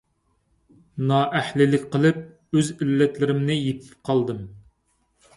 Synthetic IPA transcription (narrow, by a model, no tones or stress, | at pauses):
nɑːʔæhlɪlɪkʲqʰəlˠɨp̚ | øzilːɛt̪lɪɾɪmnɪjep̪ʰɪ̥p̚qʰɑlˠd̪ɨm